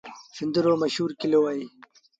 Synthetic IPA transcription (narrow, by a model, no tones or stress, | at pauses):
find̪iɾoɾmɐɕhuːɾkilewaːi